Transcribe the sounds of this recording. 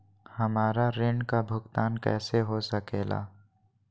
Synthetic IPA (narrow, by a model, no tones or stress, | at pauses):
hɐmaːɾaɾɪ̃ɳɖkabʱʊɡt̪aːnkɛ̰ːseɦosɐkeːla̰ː